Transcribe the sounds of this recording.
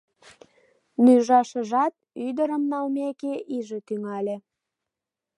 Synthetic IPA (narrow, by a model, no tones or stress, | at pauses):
nyʒɑʃə̆ʒɑt̪̚ | yd̪əɾəmnɑlmekeʔiʒet̪yŋɑlʲe